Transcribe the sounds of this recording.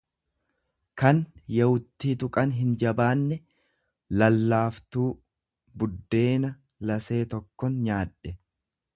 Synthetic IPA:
kɐnjɐwʊt̪ːiːt̪ʊkʼɐnɦɪnd͡ʒɐbaːnːɛ | lɐlːaːft̪uː | bʊd̪ːe̞ːnɐ | lɐse̞ːt̪ɔkːɔnɲaːᶑɛ

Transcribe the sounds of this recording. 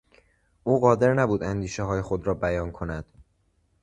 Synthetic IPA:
ʔuːɣɒːd̪e̞ɾnæbuːd̪ænd̪iːʃeɦɒːje̞xod̪ɾɒːbæjɒːnkʰo̞næd̪̥

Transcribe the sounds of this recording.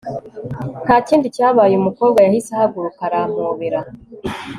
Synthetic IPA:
kaːciːndicaːβaːjeumuko̞ːbɡajahisehaɡuɾukaɾaːm̥oːβeɾa

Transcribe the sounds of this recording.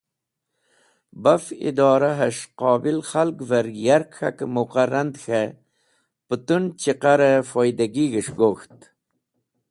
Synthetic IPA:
bafḭd̪ɑːɾaɦaʂqɑːbilxalɡvaɾjaɾkxa̰kmuqaɾand̪xe | pət̪unt͡ɕiqaɾefojd̪aɡiɡəʂɡoxt̪

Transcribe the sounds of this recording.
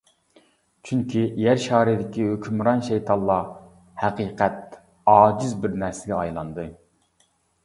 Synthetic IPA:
t͡ʃʰyŋkʲʰijæɾʃɑːɾɪd̪ɪkʲiɦøkʲʰymɾɑnʃɛjt̪ʰɑnlˠɑ | hæqiːqʰɛt̪̚ | ɑːd͡ʒizbɪɾnæɾsɪɡʲɛɑjlˠɑnd̪ɨ

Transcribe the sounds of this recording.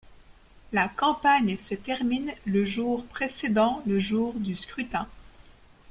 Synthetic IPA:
lakɑ̃paɲsət̪ɛʁminləʒuʁpχesed̪ɑ̃ləʒuʁd̪yskχyt̪ɛ̃

